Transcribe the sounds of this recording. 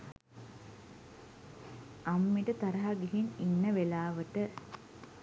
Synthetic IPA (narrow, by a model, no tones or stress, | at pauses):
amːiʈət̪aɾɐɦaɡeɦininːəʋelaːʋəʈə